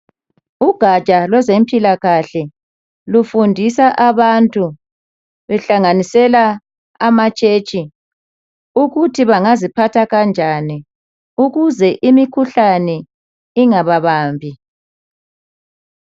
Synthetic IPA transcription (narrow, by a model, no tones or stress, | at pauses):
uɡ̥ʱat͡ʃʼalwɛzempʼilaɣaɬɛ | lufundʱisaʔaβantʼu | βɛɬaŋanisɛla | amat͡ʃʼeːt͡ʃʼi | uɣutʰiβaŋazipʰatʰaɣand͡ʒʱani | uɣuzɛʔimikʰuɬanɛ | iŋaβaβaːmbʱi